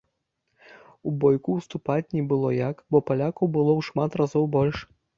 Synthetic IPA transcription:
ubɔjkuwst̪upat͡sʲnʲɛbɨlˠɔjakbɔpalʲakɐwbɨlˠɔwʂmat̪razɔwbɔlʲʂ

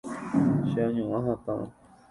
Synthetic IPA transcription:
ʃeaɲũãɦãt̪ã̰

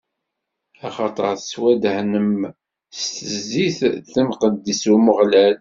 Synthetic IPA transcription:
ɑχɑt̪ˤəɾˤθswæd̪hnəm | st̪əziθθəmqəd̪ːisuməʁlæl

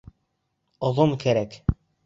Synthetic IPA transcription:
ŏðˠomkʰæɾæk

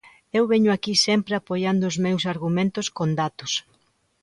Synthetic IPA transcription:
ewβeɲʊakisempɾɪapojand̪ʊːzmewsaɾɣumẽnt̪ʊskond̪at̪ʊs

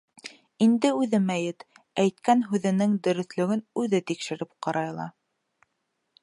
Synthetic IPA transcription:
ind̪ɘʉðɘmæjɘt̪æjt̪kænɦʉðɘ̆nɘŋd̪ɵ̆ɾɵ̆θlɵ̆ɡɘnʉðɘt̪ikʃɘ̆ɾɘp̚qɑɾɑjlˠɑ̰

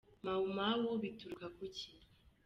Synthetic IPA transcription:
maumawoβituɾkakuci

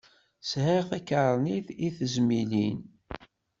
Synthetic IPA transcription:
shɪʁθækəɾˤniðiθəzmilḭn

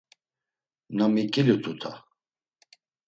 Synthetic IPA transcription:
namikʼilut̪ʰʼut̪ʰa

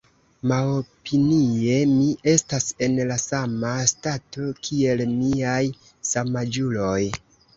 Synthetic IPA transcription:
maopinie̞miʔe̞stase̞nlasamastato̞kʰie̞lmiaj | samad͡ʒulo̞j

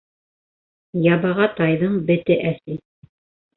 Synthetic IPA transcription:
jɑβɑʁɑt̪ɑjðɤɴbɘ̆t̪ɘʔæsi

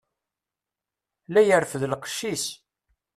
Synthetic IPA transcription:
læjəɾfðlqʃːis

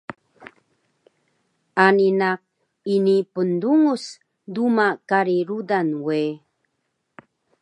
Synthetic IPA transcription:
aninak̚ | inipənduŋus | dumakaɾiɾudanwe

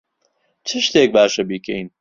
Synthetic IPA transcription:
t͡ʃʰɨʃt̪eːk̚baːʃɐbiːkʰejn

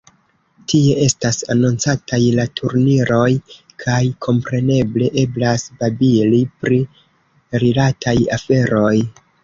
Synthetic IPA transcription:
tie̞e̞stasanont͡satʰajlatʰuɾniɾo̞j | kʰajkʰo̞mpɾe̞ne̞ble̞ʔe̞blasbabilipɾi | ɾilatʰaja̰fe̞ɾo̞j

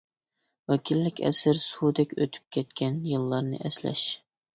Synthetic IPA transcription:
wɛkʲʰilːɪkʲʰɛ̰sɪɾsud̪ɛkʲøt̪ʰy̥p̚kʲʰɛt̪kʲɛnjɨlˠːɑɾnɨ̰ʔɛslɛ̰ʃ

